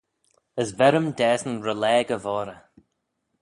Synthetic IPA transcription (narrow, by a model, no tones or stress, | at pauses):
əzvɛɾəmdɛːsənɹəlɛːɡəvɔːɾə